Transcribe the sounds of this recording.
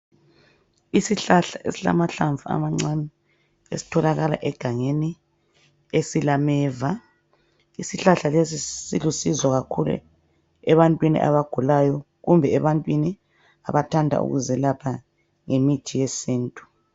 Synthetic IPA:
isiɬaɬaḛsila̰maɬaɱvua̰maŋ͡ǀanɛ | ḛsi̥tʰɔlaɣala̰ʔɛɡ̥ʱaŋeni | esilamɛːva | isiɬaɬalesisilusizwaɣakʰulṵ | ɛβantʼwinḭʔa̰βaɡ̥ʱulajɔ | ɣumbʱɛɛβantʼwini | a̰βatʰandʱa̰ʔṵɣṵzɛlapʰa | ŋemit͡ʃʼijɛsiːntʼu̥

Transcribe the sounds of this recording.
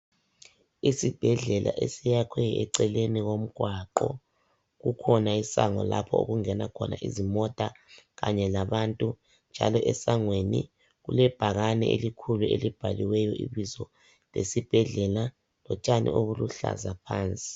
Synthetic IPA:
isib̥ʱɛɮɛlʔa̰ʔesijakʰwɛjɛǀɛleniɣom̩ɡ̥ʱwaǃɔ | ɣukʰɔnaisaŋɔlapʰɔoɣuŋɛnakʰɔna̰ʔizimɔtʼaɣaɲɛlaβantʼu | nd͡ʒʱa̰lɔʔɛsaŋwenḭ | ɣṵlɛb̥ʱaɣanɛʔelikʰuluelib̥ʱaliwɛjɔʔḭβizɔ | lesib̥ʱɛɮɛla | lɔt͡ʃʼanḭʔoβuluɬa̰zapʰaːnt͡sʼi̥

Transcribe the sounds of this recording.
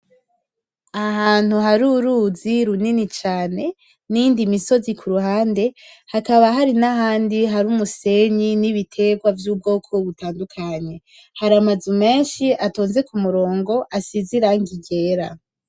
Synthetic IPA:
aɦaːn̥huɦaɾuɾuziɾuninit͡ʃaːne̞ | nindimiso̞zikʰuɾuɦaːnde̞ | hakaβaɦaɾinaɦaːndiɦaɾumuse̞ɲiniβitʰe̞ɡwavjuːb̚ɡo̞ːkʰo̞βutaːndukʰaɲe̞ | haɾamazume̞ːnʃiʔatoːnze̞kumuɾo̞ːŋɡo̞ʔasiziɾaŋɡiɟe̞ːɾa

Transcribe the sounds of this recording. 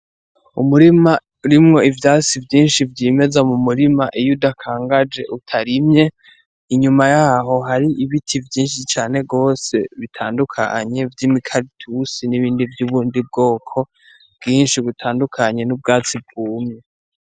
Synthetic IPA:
umuɾima | ɾimŋo̞ivjaːsivjiːnʃivjiːme̞zamumuɾimaʔijudakʰaːŋɡad͡ʒe̞ʔutʰaɾimɲe̞ | iɲumajaːɦo̞ɦaɾiʔiβitʰivjiːnʃit͡ʃaːne̞ɡo̞ːse̞̰βitʰaːndukʰa̰ɲe̞vjimikʰaɾitʰusiniβiːndivjuβuːndib̚ɡo̞ːkʰo̞ | bɡiːnʃiβitʰaːndukʰaɲe̞nubɡaːt͡sib̚ɡuːmɲe

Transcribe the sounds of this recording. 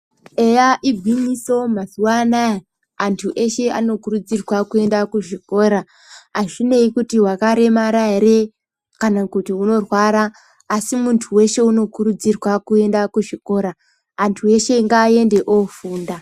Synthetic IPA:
e̞jaʔiɡʱwiniso̞mazuwanae | antʰuʔe̞ʃe̞a̰no̞kuɾud͡zirwakue̞ndakuʐiko̞ːɾa | aʐine̞ikutiwakaɾe̞maɾaeɾe | kanakutiuno̞rwaɾaː | simuntʰuwe̞ʃe̞uno̞kuɾud͡zirwakue̞ndakuʐiko̞ːɾaː | ntʰue̞ʃe̞ŋɡaːje̞nde̞ʔofuːnda

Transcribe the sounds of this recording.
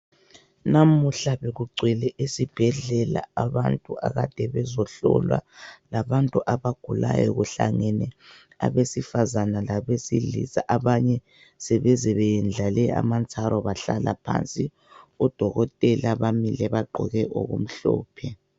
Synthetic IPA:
namuɬaβeɣuɡ͡ǀʱwɛlɛʔesib̥ʱɛɮɛla̰aβantʼuʔaɣad̥ʱɛβɛzɔɬɔ̰lwa̰laβantʼuʔaβaɡ̥ʱulajɔ̰ɣuɬaŋɛnɛ | a̰βesifazanalaβesilḭsaʔaβaɲɛ | sɛβɛzɛβɛjɛnd͡ɮʱalɛa̰mant͡sʼaɾʔɔβaɬalapʰa̰nt͡sʼi | ud̥ʱɔɣɔtʼɛlaβamilɛβaɡ͡ǃʱɔ̰ɣɛʔo̰ɣṵm̩ɬɔːpʰɛ

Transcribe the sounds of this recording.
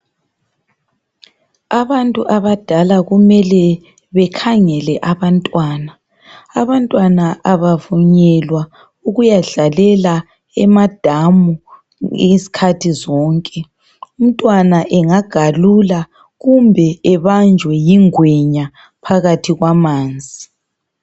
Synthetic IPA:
aβantʼuʔaβad̥ʱalaɣumɛlɛ | βɛkʰaŋɛlɛʔaβantʼwaːnaː | βantʼwanaʔaβavuɲɛlwa | uɣujaɮalɛla | ɛmad̥ʱamṵ | si̥kʰatʰizɔːŋkʼɛ | um̩tʼwanaʔɛŋaɡ̥ʱalula | ɣumbʱɛɛβand͡ʒʱwɛjiŋwɛɲa | pʰaɣatʰiɣwamaːnd͡zʱi

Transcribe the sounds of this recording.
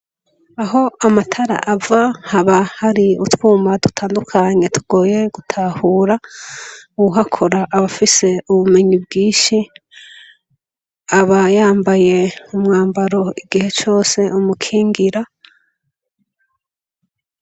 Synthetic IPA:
aɦo̞amatʰaɾa̰ʔavahaβahaɾiutwuːmadutʰaːndukʰaɲe̞tʰuɡ̥o̞ːje̞ɡutʰahuːɾa | uuɦakʰoɾaʔːβafise̞uβumeɲibɡiːʃi | aβajaːmbaje̞umŋaːmbaɾo̞iɡihe̞t͡ʃo̞ːse̞umukʰiːŋɡiɾa

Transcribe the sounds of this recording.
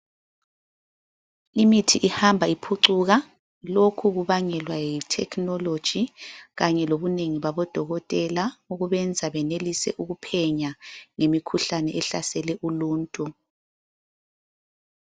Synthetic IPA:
imitʰiʔihambʱaipʰuǀuɣa | lokʰuɣuβaŋɛlwajitʰɛkʰnɔlod̥ʒ̥ʱiɣaɲɛloβuneŋiβaβɔd̥ʱɔɣɔtʼɛlauɣuβɛnd͡zʱaβɛnelisɛ̰ʔuɣupʰɛɲaŋemikʰuɬanɛɛɬasɛlɛʔuluːntʼu

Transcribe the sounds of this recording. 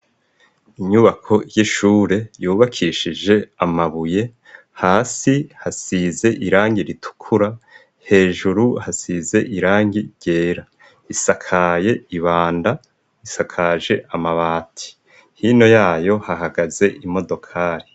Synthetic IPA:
iɲuβakʰo̞jiʃuːɾe̞juːβakʰiʃid͡ʒe̞amaβuje̞ | haːsihasize̞ʔiɾaːŋɟiɾitʰu̥kʰuɾa | he̞ːʒuɾuhasize̞ʔiɾaːŋɡiɟ̥e̞ːɾa | isakʰaje̞iβaːnda | isakʰaʒe̞ʔamaβaːtʰi̥ | hino̞jaːjo̞haɦaɡaze̞ʔimo̞do̞kʰaːɾi

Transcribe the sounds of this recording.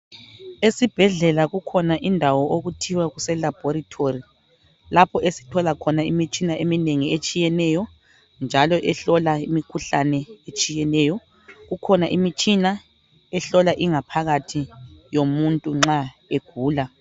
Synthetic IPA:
esib̥ʱɛɮɛlaɣukʰɔnaʔindʱawɔʔoɣutʰiwaɣusɛlab̥ʱɔɾitʰori | lapʰɔʔesi̥tʰɔlakʰɔnaimit͡ʃʼinaʔemineŋiet͡ʃʼijɛnɛːjɔ | nd͡ʒʱalɔʔɛɬɔlaimikʰuɬanɛet͡ʃʼijɛnɛːjɔ | ɣukʰɔnaʔimit͡ʃʼina | ɛɬɔlaʔiŋapʰaɣatʰijomuntʼuŋ͡ǁaeɡ̥ʱuːla

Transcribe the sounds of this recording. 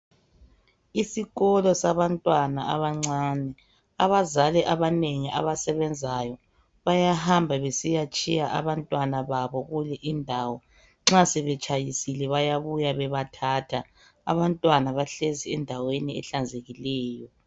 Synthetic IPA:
isiɣɔlɔsaβantʼwanaa̰βaŋ͡ǀaːnɛ | aβazalɛʔaβaneŋia̰βasɛβɛnd͡zʱajɔ | βajahambʱaβesijat͡ʃʼijaʔa̰βantʼwanaβaβɔɣulɛʔindʱawɔ | ŋ͡ǁasɛβɛt͡ʃʼajisilɛβajaβujaβɛβatʰaːtʰa | a̰βantʼwanaβaɬeziɛndʱaweniɛ̰ɬand͡zʱeɣilɛːjɔ

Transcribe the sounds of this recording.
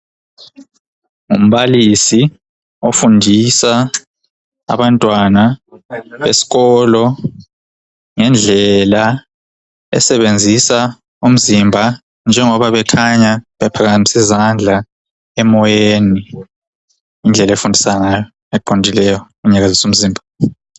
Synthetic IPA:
ŋum̩ɓalisi | ofundʱisa | a̰βantʼwana | esi̥k̬ɔlɔ | ŋɛnd͡ɮʱɛla | ɛ̰sɛβend͡zʱisa | um̩zimbʱa | nd͡ʒʱɛŋɔβaβɛkʰaɲaβɛpʰakamisizand͡ɮʱa | ɛmɔjeeni | ind͡ɮʱɛlaefundʱisananajɔ | ɛǃondʱilɛjɔmuɲaɣazisum̩ziːmbʱa

